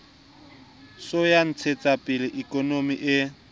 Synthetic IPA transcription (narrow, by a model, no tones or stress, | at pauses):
sojan̩t͡sʰet͡sʼapʼɪlɪʔikʼɔnomiʔɪ